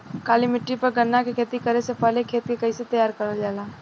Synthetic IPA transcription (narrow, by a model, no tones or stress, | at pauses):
kaːlimɪʈɾipɐɾɡɐnːakekʰeːt̪ikɐɾesepəːlekʰeːt̪kekɐiset̪ɐjaːɾkɐɾəld͡ʒaːlaː